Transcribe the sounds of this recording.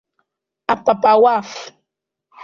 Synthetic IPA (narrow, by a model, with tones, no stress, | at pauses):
a˨pa˨pʼa˨wa˦f